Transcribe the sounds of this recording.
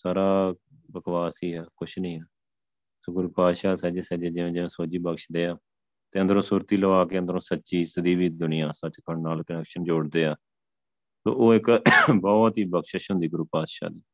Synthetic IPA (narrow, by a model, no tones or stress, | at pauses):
saːɾaː | bəkʋaːsiːɦɛːkʊt͡ʃʰnĩːɦɛː | soːɡʊɾupaːd̪ʃaːsɛːd͡ʒeːsɛːd͡ʒeːd͡ʒɪẽːd͡ʒɪʋẽːsoːd͡ʒiːbəkʃd̪eːaː | t̪eːənd̪əɾõːsuːɾt̪iːləʋaːkeːənd̪əɾõːsətːʃiːsəd̪iːʋiːd̪ʊnɪjãːsət͡ʃkʰəɳnaːlkənɛːkʃənd͡ʒoːɽd̪eːaː | so̰ːʔoːɪkbɔːt̪iːbəkʃəʃɦʊ̃nd̪iːɡʊɾupaːd̪ʃa̰ːd̪iː